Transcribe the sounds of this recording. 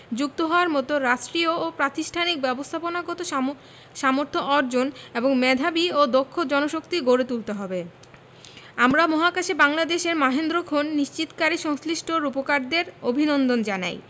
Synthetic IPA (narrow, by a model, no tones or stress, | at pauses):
d͡ʑuk̚t̪oɦɔoaɾmɔt̪oɾaʃʈɾioːpɾat̪iʃʈʰanik̚bɛbost̪ʰaponaɡɔt̪o | ʃamoɾt̪ʰoʔɔɾd͡ʑoneboŋmɛd̪ʱabiod̪okʰːod͡ʑɔnoʃok̚t̪iɡʱoɾet̪ult̪eɦɔbe | amɾamɔɦakaʃebaŋlad̪eʃeɾmaɦend̪ɾokʰonːiʃt͡ɕit̪kaɾiʃɔŋsliʃʈʰoɾupokaɾd̪eɾobʱinond̪ond͡ʑana̰j